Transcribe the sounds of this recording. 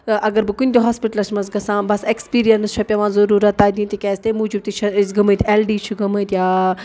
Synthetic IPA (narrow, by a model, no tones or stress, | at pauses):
ʔɐɡɐɾbɨkunʲt̪ʲoɦaːspiʈəlɐsmɐsɡɐsãːbɐsekspiːɾijɐnst͡ʃʰɐpʲɐʋãːzɐɾuːɾɐt̪ːaːd̪ĩːnt̪ikʲɛːst̪emuːd͡ʒub̚t̪it͡ʃʰɐisɡɐmət̪eːlɖiːt͡ʃʰuɡɐmət̪jaː